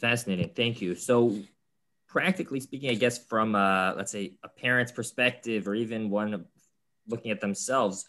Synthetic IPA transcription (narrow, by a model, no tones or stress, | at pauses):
fæsɨneɪɾɪ̃ŋθæ̃ŋkʰjʉsoʊ | pʰɹ̥æk̚tɨklispikɪ̃ŋaɪɡɛsfɹʌ̃mʌlə̰tseɪəpʰɛɹɨ̃ntspʰə˞spɛk̚tɪvə˞ivɨ̃nwʌ̃n | lʊkɪ̃ŋɨt̪̚ðɨ̃msɛlˠvz̥